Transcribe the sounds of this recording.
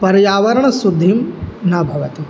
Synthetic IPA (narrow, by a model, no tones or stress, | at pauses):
pɐɾjaːʋɐɾɐɳɐsud̪ʱːimnɐbʱɐʋɐt̪i